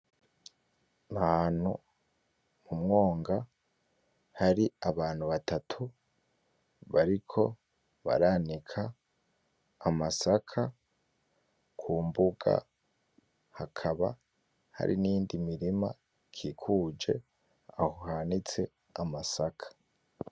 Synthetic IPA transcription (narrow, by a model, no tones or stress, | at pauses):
nahan̥hṵ | mumŋo̞ːŋɡa | haɾiaβaːnhuβatʰatʰu | βaɾikʰo̞ | βa̰ɾaːnikʰa | masakʰa | kʰuːmbuɡa̰ | hakʰaβa̰ | ha̰ɾḭniːndimiɾima | kʰikʰuːd͡ʒe̞̰ | ahuhanit͡se̞ | amasakʰḁ